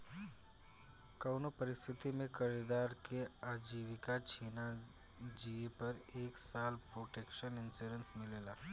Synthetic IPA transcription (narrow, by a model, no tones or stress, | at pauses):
kəwnopəɾɪst̪ʰɪt̪imẽkəɾid̪aːɾkeaːd͡ʒiːʋɪkat͡ʃʰiːna | d͡ʒiepɐɾeːksaːlpɾoːʈeːkʃənɪnsiɾə̃nsmɪleːlaː